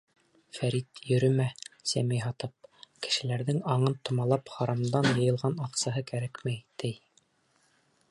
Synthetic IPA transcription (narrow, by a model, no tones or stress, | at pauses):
fæɾit̪jɵ̆ɾɵ̆mæsæ̰mɘjɦɑt̪ɤp̚kɘ̥̆ʃɘ̆læɾðɘŋɑɴɤnt̪ŏmɑlˠɑpχɑɾɑmd̪ɑnjɤ̆jɤ̆lˠʁɑnɑqsɑɦɤkæɾækmæjt̪ɘj